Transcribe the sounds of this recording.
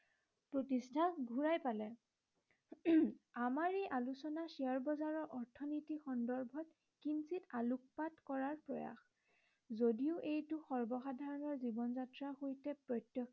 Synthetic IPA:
pɹotistʰaɡʱuɹajpalɛ | amaɹejʔalusɔnasiaɹbɔzaɹɔʔɔɹtʰɔnitixɔndɔɹbʱɔt | kinsitaluk̚patkɔɹaɹpɹɔja̰x | zodiʊʔejtuxɔɹbɔxadʱaɹɔnɔɹzibɔnzatɹaxojtɛpɹɔtjɔk

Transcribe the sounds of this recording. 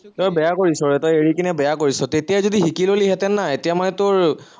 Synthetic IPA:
tɔjbɛjakoɹisɔɹɛtɔjeɹikinɛbɛjakoɹisɔtetijazodiɦikiloliɦɛtɛnːaetijamanɛtʊɹ

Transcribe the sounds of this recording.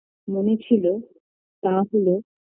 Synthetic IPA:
monet͡ɕʰilo | t̪aɦolo

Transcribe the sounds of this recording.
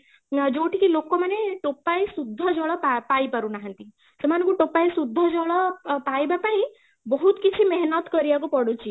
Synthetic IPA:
d͡ʒoʈikilokɔmaneʈopːajsud̪ʱːɔd͡ʒɔɭɔpapaipaɾunaɦə̃nt̪i | semanukuʈopːajsud̪ʱːɔd͡ʒɔɭɔpaibapai | bɔɦut̪kit͡ʃʰimɛɦnɔt̪kɔɾijakupɔɽut͡ʃi

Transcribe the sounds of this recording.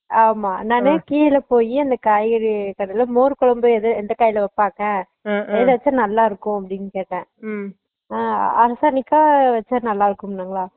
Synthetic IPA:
aːmaːnãːneːkiːjlɐpoːjiɐnd̪ɐkaːjɐɽikɐɽɪlmoːɾɯkɔɭɐmboɛðɯɛnd̪ɐkɐːjɪlɐʋɐpːaːkɛ̃ː | ɛðɯʋɐt͡ʃːɐnɐlːaːɪɾɯkːʊ̃ɐpːɐɽɪnkeːʈːɛ̃ː | aɐɾɐsaːnɪkːaːʋɐt͡ʃːɐnɐlːaːɪɾɯkːɯmnːaːŋɡɐɭaː

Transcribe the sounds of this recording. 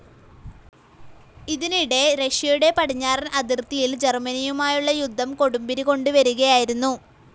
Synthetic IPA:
iðiniɽe̞ɾɐʂjɐjuɽe̞pɐʈiɲːaːɾɐnɐd̪irt̪ijild͡ʑe̞rmɐnijumaːjuɭːɐjud̪ʱːɐmko̞ɽumbiɾiko̞ɳɖuʋɐɾuɣɐjaːjiɾunːu

